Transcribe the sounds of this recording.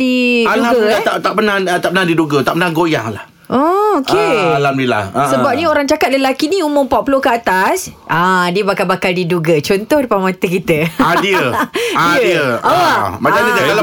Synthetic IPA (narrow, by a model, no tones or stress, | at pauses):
ialaat̪at̪aʔpənat̪aʔpənadiduɡat̪aʔpənahɡoja̰ŋlah | ʔookealamnila̰hsəbap̚nĩoɾaŋt͡ʃakat̪̚ləlakinĩumʊmpapulokəat̪asʔadiəbakalbakaldiduɡat͡ʃɔnt̪ɔhdəpamãt̪əkit̪əadiəaədiəamat͡ʃaɲəsakal